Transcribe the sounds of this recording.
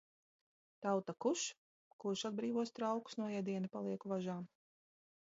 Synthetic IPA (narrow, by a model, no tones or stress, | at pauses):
t̪awt̪akuʃ | kuɾʃad̪̚bɾiːvuɔst̪ɾawku̥snuɔjɛd̪iɛnipalˠiɛkuvaʒaːm